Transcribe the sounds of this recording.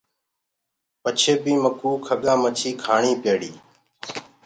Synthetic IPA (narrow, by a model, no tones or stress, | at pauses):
pət͡ʃʰeːbiːməkuːkʰəɠãːmət͡ʃʰiːkʰaːɳiːpeːɽiː